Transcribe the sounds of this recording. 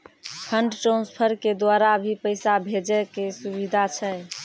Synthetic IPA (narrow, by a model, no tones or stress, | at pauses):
pʰəɳɖʈɾonspʰəɾked̪waɾabʱipəɪsabʱed͡ʒɛkesuβid̪ʱat͡ʃʰɛ